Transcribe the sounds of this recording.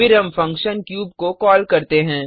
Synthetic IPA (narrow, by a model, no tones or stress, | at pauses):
ɪɾɦɐ̃mfɐ̃ŋkʃənkjuːbkokɔːlkɐɾt̪eɦɛ̃ː